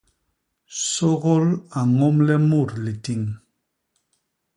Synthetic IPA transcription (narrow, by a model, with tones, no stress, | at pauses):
sɔ˦ɣɔ˦la˨ŋɔ˦mlɛ˦mu˦˨ɾli˨ti˨ŋ